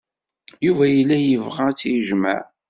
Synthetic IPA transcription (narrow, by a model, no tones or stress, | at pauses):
juvæjəlːæjəvʁat͡sːjəʒma̰ʕ